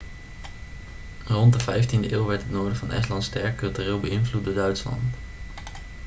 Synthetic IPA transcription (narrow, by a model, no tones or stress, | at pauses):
rɔntdəvɛjftindəʔeːlˠʋɛɹtɦətnoːɹdəvɑnʔɛ̰stlɑntstɛɹkkːɵlˠtyrɪːlˠbəɪnvlut̚doːɹdœɥtslɑ̰nt